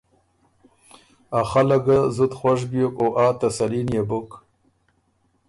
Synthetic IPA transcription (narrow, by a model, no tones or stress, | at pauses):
axalaɡazut̪xwaʂ̬bijokoʔaːt̪asaliːnjebʊk